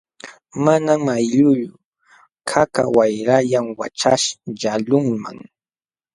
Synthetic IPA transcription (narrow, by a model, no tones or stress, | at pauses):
manamajʎʊʎʊ | kʰaka̰wajɾaʎamwa̰t͡ʃa̰ʃʎalʊŋma̰ŋ